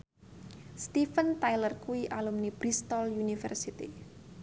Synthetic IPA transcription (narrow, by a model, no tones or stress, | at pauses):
st̪ifənt̪ajlərkuiʔalumnib̥ɾist̪ɔljunifɛ̰rsit̪ḭ